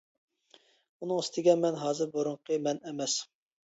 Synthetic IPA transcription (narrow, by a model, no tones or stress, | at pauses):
unɨŋɨst̪ɪɡʲɛnmɛnɦɑːzɨɾboɾuɴqʰəmɛnɛmɛs